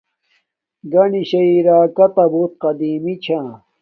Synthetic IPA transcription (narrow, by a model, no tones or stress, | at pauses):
ɡɐniɕɐiɾaːkɐt̪ɐbuːt̪̚qɐd̪iːmit͡ɕʰã